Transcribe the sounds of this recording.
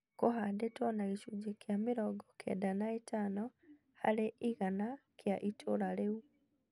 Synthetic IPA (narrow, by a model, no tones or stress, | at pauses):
koɦadetwɔnaɣiʃud͡ʒekjameɾɔɡɔkʰɛ̰danaetanɔ | ha̰ɾeʔiɣanakjaʔitʰoɾaɾeu